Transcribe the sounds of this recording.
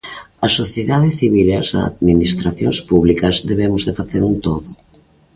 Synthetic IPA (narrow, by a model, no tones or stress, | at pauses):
ɐsoθjeðaðɪθiβ̞ilɐsa̰ðminist̪ɾaθjonspuβlikɐzðeβemʊzðefaθeɾunt̪oðʊ